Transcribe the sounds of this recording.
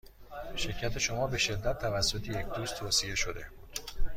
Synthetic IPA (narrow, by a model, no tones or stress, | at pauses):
ʃe̞ɾcʰæt̪ʰe̞ʃo̞mɒːbe̞ʃe̞d̪ːæt̪ʰːævæsːo̞t̪ʰejecʰd̪uːst̪ʰoːsije̞ʃo̞d̪e̞buːd̪̥